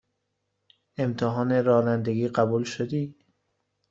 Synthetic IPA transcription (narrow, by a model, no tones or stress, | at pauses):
e̞mt̪ʰeɦɒːneɾɒːnænd̪eɡiːɢæbuːlʃod̪iː